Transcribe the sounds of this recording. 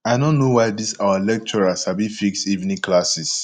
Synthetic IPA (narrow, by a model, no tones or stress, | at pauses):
aɪdõnːowajdisawalɛk̚t͡ʃɔɹasabifikstivnĩklasis